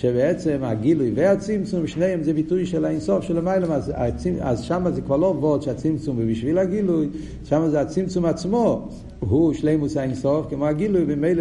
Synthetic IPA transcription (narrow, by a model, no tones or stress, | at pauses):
ʃɛbɛɛt͡sɛma̰ɡilˠʊjveat͡simt͡sumʃneɪɛmzebitujʃɛlˠaensɔfʃɛlˠəmaɪlˠəmaza̰t͡sia̰zʃamazeːkvalˠɔvɔtʃɪat͡simt͡sumvibɪʃviːlˠaɡilˠuj | ʃamazeat͡simt͡sumat͡smɔ | ɦuʃleɪmushainsɔfkɪmoaɡilˠujbɪmeɪl